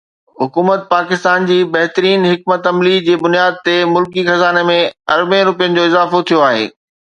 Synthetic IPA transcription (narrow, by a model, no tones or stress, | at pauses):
ɦʊkuːmət̪̚paːkɪst̪aːnd͡ʑiːbɐɦt̪ɾiːnɦɪk̚mət̪ɐmlid͡ʑeːbʊnijaːd̪̚t̪emʊlkixɐzaːnemẽɐɾbẽɾʊpijənɪ̆d͡ʑoːɪzaːfot̪ʰijoaːɦḛː